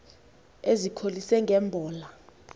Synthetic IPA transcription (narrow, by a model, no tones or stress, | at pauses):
ezikʰolisɛŋɡʱɛːmbʱɔːla